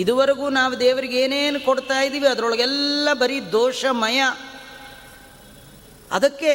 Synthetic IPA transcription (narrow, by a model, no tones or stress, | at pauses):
id̪uʋɐɾɐɡuːnaːʋud̪eːʋɐɾiɡeːneːnukoɽt̪aːjid̪iːʋiɐd̪ɐɾɔɭɐɡɛlːɐbɐɾid̪oːʂɐmɐjɐ | ɐ̰d̪ɐkːe̞